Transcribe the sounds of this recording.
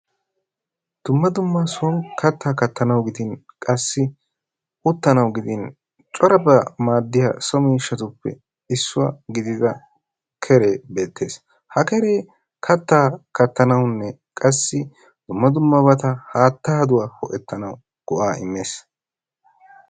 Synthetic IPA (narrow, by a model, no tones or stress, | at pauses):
d̪̥ʊmːɐd̪ʊmːɐsɔŋkʰɐt̪ːaːkɐt̪ːɐnɐwɡɪd̪ɪnkʼɐsːɪ | ʔʊt̪ːɐnɐwɡɪd̪ɪn | t͡ʃʼɔɾɐbɐmaːd̪ːɪja̰ːsɔmiːʃːɐt̪ʊpːɛ̰ | ɪsːʊwɐ̰ɡɪd̪ɪdɐ | kʰɛɾe̞ːbe̞ːt̪ʰːe̞ːs | hɐkɛɾe̞ː | kʰɐt̪ːaːkɐt̪ːɐnɐwnːɛkʼɐsːɪ | d̪̥ʊmːɐd̪ʊmːɐbɐt̪ɐhaːt̪ːaɐd̪ʊwaːhɔʔɛt̪ːɐnɐw | ɡ̥ɔʔaːɪ̰mːe̞ːs